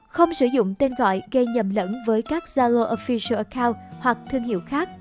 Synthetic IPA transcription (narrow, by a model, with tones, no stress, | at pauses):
xə˧wŋ͡msɨ̰˧˩zʊ̰˧˨ŋ͡mt̪e˧nɣɔ̰˧˨jɣə˧jɲə˨˩mlə̰˧˥nvəː˨˦jkaː˦˥k̚zaː˧lo˧ʔo˧fi˧sə˧ʔə˧kaː˧whwa˨˩k̚t̪ʰɨ˧əŋhḭ˧˨əwxaː˦˥k̚